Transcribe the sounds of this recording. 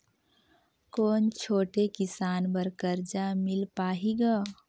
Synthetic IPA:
koːnt͡ʃʰoːʈekɪsaːnbəɾkəɾd͡ʒamɪlpaːɦiɡaː

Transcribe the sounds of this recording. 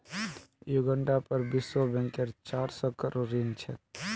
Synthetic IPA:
juɡəɳɖapəɾbɪswɔbɛ̃ŋkeɾt͡ʃaɾsɔkəɾoɾint͡ʃʰɛ̰

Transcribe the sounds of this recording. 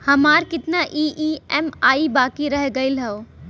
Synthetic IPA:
hɐmaːɾkɪt̪naʔiːʔiːɛmaːibaːkiɾɐɦɡɐɪlɦɛoː

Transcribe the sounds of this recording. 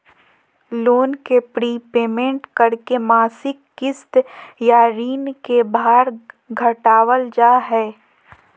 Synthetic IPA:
loːnkepɾiːpeːmẽɳʈkəɾkemaːsɪkːɪst̪jaɾiːnkebaːɾɡʱəʈaːwəld͡ʒaːɦɛː

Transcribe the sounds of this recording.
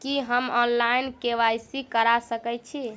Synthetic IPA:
kiɦəmɔnlajnkeʋajsikəɾasəkɛt͡ʃʰi

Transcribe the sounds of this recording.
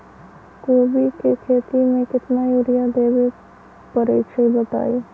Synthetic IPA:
koːbikekʰeːt̪imẽkɪt̪najuːɾɪjad̪eːbe | pəɾeːʃəibət̪a̰ːi

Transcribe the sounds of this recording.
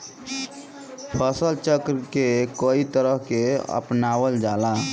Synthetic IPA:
pʰəsəlt͡ʃəkɾkekoit̪əɾəɦkeə̰pnawəld͡ʒala

